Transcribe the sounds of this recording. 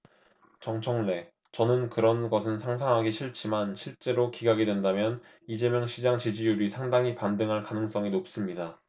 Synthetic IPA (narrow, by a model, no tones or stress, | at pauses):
t͡ɕʌŋt͡ɕʰʌŋle̞ | t͡ɕʌnɯnkɯɾʌnɡʌsʰɯnsʰaŋsʰaŋɦaɡiɕʰiɭt͡ɕ͈ʰimanɕʰiɭt͡ɕ͈e̞ɾokiɡaɡidwe̞ndamjʌn | id͡ʑe̞mjʌŋɕʰid͡ʑaŋt͡ɕid͡ʑijuɾisʰaŋdaŋɦipandɯŋɦaɭkanɯŋs͈ʌŋinop̚s͈ɯmɲida